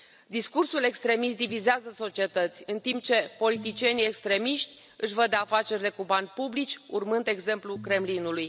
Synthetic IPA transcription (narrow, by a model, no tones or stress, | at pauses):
d̪iskursule̞kst̪ɾe̞mist̪d̪ivizeazəso̞t͡ʃie̞t̪ət̪sʲɨnt̪imp̚t͡ʃe̞po̞lit̪it͡ʃije̞nije̞kst̪ɾe̞miʃt̪ʲ | ɨʃvəd̪eafat͡ʃe̞ɾile̞kubanʲpublit͡ʃʲurmɨnd̪e̞ɡze̞mplukɾe̞mlinuluj